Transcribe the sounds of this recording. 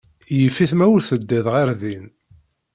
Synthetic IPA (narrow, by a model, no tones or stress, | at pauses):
jəfːiθmæwɾθəd̪ːəðʁaɾðin